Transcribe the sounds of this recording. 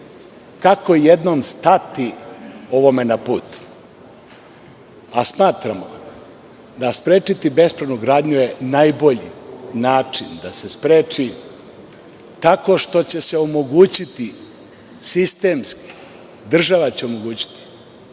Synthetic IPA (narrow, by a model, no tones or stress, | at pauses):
kakʰo̞jed̪no̞mst̪at̪io̞ʋo̞me̞napuːt̪ | asmaːt̪ɾamo̰ | d̪aspɾe̞ːt͡ʂit̪ibe̞spɾanuɡɾaːd̪ɲujenajbo̞ʎḭnaːt͡ʂind̪ase̞spɾeːt͡ʂi | t̪ako̞ʃt̪o̞t͡ɕe̞se̞o̞mo̞ɡuːt͡ɕit̪i | sist̪e̞ːmski̥ | d̪r̩ʒaʋat͡ɕe̞o̞moɡuːt͡ɕi̥t̪i̥